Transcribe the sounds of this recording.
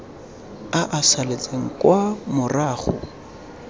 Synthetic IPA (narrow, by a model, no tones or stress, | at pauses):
aʔasalet͡sʼeŋ̩kʼwamʊraːχʊ̰